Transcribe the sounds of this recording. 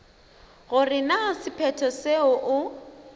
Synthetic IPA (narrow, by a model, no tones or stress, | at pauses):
ɣʊrɪnasɪpʰɛtʰɔseʊʔʊ